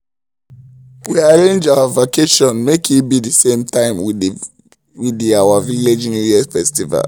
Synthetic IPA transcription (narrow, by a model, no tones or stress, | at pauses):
wiaɹẽnd͡ʒawavokʰeʃɔ̃nmekʰibidisẽmtãɪ̃mw | widiawaviled͡ʒnjujɛsfɛstiva̰l